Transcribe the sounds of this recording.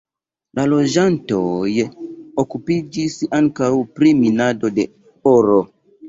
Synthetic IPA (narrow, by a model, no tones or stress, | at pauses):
lalo̞d͡ʒantojokupid͡ʒisaŋkawpɾiminado̞de̞ | oɾo